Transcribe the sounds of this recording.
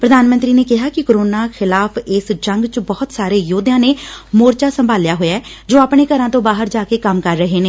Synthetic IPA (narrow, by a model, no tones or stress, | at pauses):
pɾəd̪ʱaːnmənt̪ɾiːneːkɪɦaːkɪkoɾoːnaːxʰɪlaːfɪsd͡ʒəŋɡt͡ʃbɔːʊt̪saːɾeːjoːd̪jãːneːmoːɾt͡ʃaːsəmbʱaːljaːɦoːjaɛːd͡ʒoːapɳ̃eːkəɾãːt̪õːbaːɦəɾd͡ʒaːkeːkəmkəɾːəɦeːneː